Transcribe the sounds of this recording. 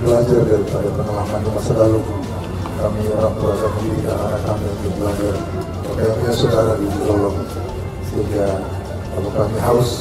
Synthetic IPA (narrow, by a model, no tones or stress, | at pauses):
bəlad͡ʒardaɾipadapəŋalakandumasəlalu | kamioɾaŋpəɾasakdiɾikananakːamibibəlad͡ʒar | a̰kaanɲasodaɾadid͡ʒuɾolɔŋ | səiŋɡa | kapakamiɦaus